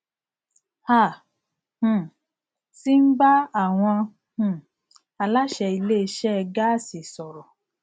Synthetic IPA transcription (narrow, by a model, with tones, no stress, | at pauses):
ha˦˨ | h̩˨ | si˦n̩˦ba˦a˦˨w̃ɔ̃˧ | hũ˨˧˨ | a˧la˦ʃɛ˧i˧le˦˧ʃɛ˦ɛ˧ɡa˦si˨sɔ˨ɾɔ˨